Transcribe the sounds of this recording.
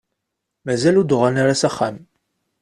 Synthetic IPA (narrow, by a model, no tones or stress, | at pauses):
mæzælud̪ʊʁanaɾasæχːam